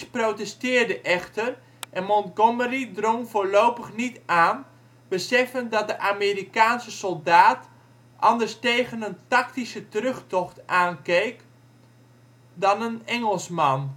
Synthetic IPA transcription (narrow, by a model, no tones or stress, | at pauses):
sprowtɛstɪːrdəʔɛxtər | ʔɛnmɔntɡoməridroŋvoːɹlowpəχnitaːn | b̥əsɛfəndɑt̚dəʔameːrikaːnsəsɔlˠdaːt | ʔɑndərstejɣənəntɑktisətrøχtɔxtʔaːnkejk | dɑnənɛŋəlˠsmɑn